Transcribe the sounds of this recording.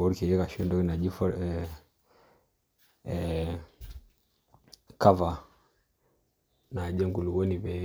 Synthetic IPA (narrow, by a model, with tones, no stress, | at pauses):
ɔ˦ɾki˨jɛ˦ka˨ʃɛ˦ndɔ˦ki˦na˨d͡ʒi˦fɔ˦ɾɛ | ka˦va˨ | na˨d͡ʒɛ˦ŋɡu˨lu˨ɡɔ˦ni˨βɛ˨˦